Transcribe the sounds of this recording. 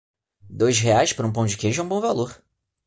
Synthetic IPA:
d̪ojʃɦeajʃpaɾũpõd͡ʒɪkeʒʊɐ̃w̃bõw̃valoɾ

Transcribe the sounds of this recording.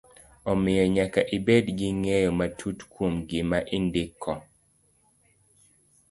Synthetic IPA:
ɔmɪjɔɲakaʔibedɡɪŋejɔmatʰutkwomɡɪmaʔɪndɪkʰːɔ

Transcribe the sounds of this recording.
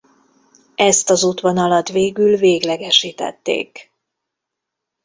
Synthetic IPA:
ɛst̪ɒzut̪ʋonɒlɒt̪ʋeːɡylveːɡlɛɡɛʃiːt̪ɛ̰t̪ːḛːk

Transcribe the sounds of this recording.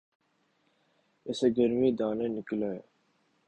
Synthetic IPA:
ɪseːɡəɾmiːd̪aːnẽːnɪklaːeː

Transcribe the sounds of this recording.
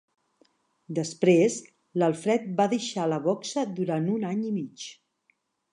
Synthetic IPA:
d̪əspɾez | ləlˠfɾɛt̪̚baðəʃaləβɔksəd̪uɾanunaɲimit͡ʃ

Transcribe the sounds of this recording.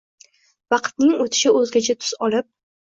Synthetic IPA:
vɑqt̪̚nɪŋot̪ʰɪ̥ʃɪɵzɡʲat͡ʃʰat̪ʰʊ̥z̥ɒlɪp̚

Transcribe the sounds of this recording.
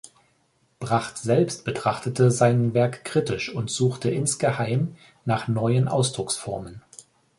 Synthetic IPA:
b̥ʁaχtz̥ɛlpstb̥ətʁ̥aχtətəzaɪnvɛɐkːʁ̥itɪʃʊntz̥uːxtəʔɪnsɡ̥əhaɪm | naːχnɔʏənʔa̰ʊsd̥ʁʊksfɔɐmən

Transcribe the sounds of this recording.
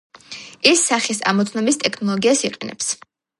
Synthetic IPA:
isːaχisa̰mɔt̪sʰnɔbist̪ʼɛkʰnɔlˠɔɡiasiqʼɛnɛ̰ps

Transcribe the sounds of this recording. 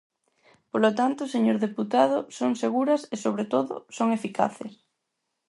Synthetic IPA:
polot̪ant̪ʊseɲoɾðeput̪aðʊsoŋseɣuɾɐsesoβ̞ɾet̪oðʊ̰soŋefika̰θḛs

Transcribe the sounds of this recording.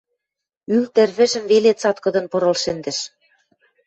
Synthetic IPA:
ylt̪ɘ̆rβɘ̆ʒɘ̆mvelet͡sɑt̪kɤ̆d̪ɤ̆npɤ̆ɾɤ̆lʃɘ̆nd̪ɘ̆ʃ

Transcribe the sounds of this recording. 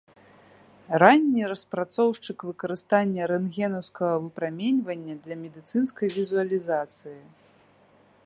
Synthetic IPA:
ranʲːiɾɐspɾat̪sɔwʂt͡ʂɨkvɨkɐɾɨst̪anʲːɐɾɛnɣʲɛnɐwskɐɣɐvɨpɾamʲenʲvɐnʲːɐd̪lʲɐmʲɛd̪ɨt̪sɨnskɐjvʲizuɐlʲizat̪sɨji

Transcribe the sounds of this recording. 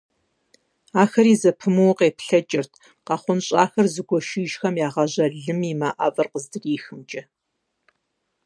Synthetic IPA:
aːxɐɾiːzɐpʰɨmɨwqeːpɬɐt͡ʃʼɪrtʰ | qɑχʷʊnɕʼaːxɐrzɨɡʷɔʃiːʒxɐmjaːʁɐʑɐɮɨmiːmaʔa̰ːvɐrqəzdɨriːxɨmt͡ʃʼɐ

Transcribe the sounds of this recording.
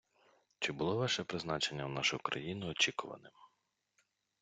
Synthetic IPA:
t͡ʃɪbʊlˠɔʋɑʃɛpɾɪznɑt͡ʃenʲːɐwnɑʃʊkɾɐ̰jinʊɔt͡ʃikʊʋɐ̰nɪm

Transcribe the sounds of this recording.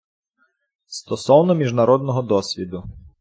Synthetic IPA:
st̪ɔsɔwnɔmʲiʒnɐɾɔd̪̚nɔɦɔd̪ɔsʲʋʲid̪ʊ

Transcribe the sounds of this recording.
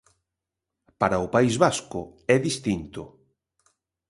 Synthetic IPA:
paɾɐʊpaizβaskʊ̰ɛðist̪int̪ʊ

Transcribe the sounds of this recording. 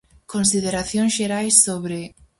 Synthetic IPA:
konsiðeɾaθjõŋsʃeɾajsːoβɾe

